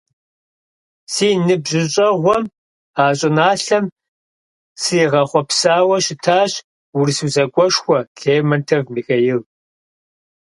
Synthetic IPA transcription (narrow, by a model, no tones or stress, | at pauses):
siːnɨbʑɪɕʼɐʁʷɔm | aːɕʼɪnaːɬɐm | sɨjʁɐχʷɔpsaːwɐɕɪtʰaːɕ | wʊrsuzɐkʷʼɔʂxʷɔɬeːmɐntʰɐvmiːxɐjɪl